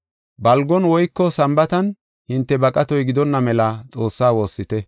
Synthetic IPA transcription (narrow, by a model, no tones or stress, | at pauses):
bɐlɡɔnwɔjkːɔsɐmbɐt̪ɐn | hɪnt̪ːɛbɐkʼɐt̪ɔjɡɪd̪ɔnːɐmɛlɐt͡sʼo̞ːsːaːwo̞ːsːɪt̪ɛ